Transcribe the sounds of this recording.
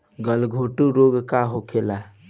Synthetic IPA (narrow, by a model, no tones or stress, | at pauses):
ɡəlɡʱoʈuɾoɡkaɦokʰela